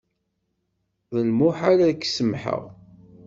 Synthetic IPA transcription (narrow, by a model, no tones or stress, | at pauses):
ðəlmʊħaɾakːsəmħə̰ʁ